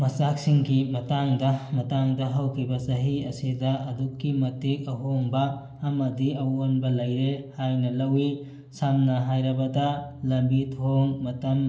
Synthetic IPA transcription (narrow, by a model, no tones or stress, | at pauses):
mɐsak̚siŋɡimɐtaŋdɐmɐtaŋdɐɦɐwkʰibɐsɐɦiɐsidɐʔɐdukːimɐtik̚ɐɦoŋbɐː | mɐdiɐwonbɐlɐjɾehajnɐlɐwi | samnɐɦajɾɐbɐdɐlɐmbitʰoŋmɐtɐm